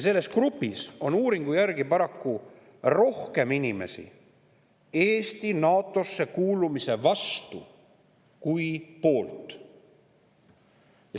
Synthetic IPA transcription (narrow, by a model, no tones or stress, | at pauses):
jse̞lːe̞skrupːˑiso̞nuːɾiŋɡ̥ujærɡ̥ipɑɾɑkːu | ro̞hke̞minʲime̞̰sḭ | e̞ːst̪inɑːt̪ːˑo̞sːe̞kuːlumise̞vɑst̪u | kujpo̞ːlt̪ˑ | jɑ